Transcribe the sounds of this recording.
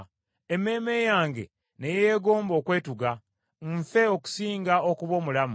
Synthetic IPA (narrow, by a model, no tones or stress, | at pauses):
eme̞ːme̞ːjaːŋɡe̞̰ | ne̞je̞ːɡo̞ːmbo̞ːkwe̞ːtuɡa | ɱfe̞o̞ku̥siːŋɡaokuβo̞ːmulamu